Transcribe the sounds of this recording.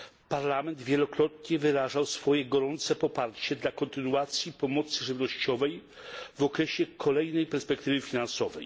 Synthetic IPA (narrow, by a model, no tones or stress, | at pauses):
paɾlamɛnd̪vʲjɛlɔkɾɔt̪ɲɛvɘɾaʐawsfɔjɛɡɔɾɔnt̪sɛpɔpaɾt͡ɕɛd̪lakɔnt̪ɘnuat̪sʲjipɔmɔt̪sɘʐɘvnɔɕt͡ɕɔvɛj | vɔkɾɛɕɛkʰɔlɛjnɛjpɛɾspɛkt̪ɘvɘfʲinansɔvɛj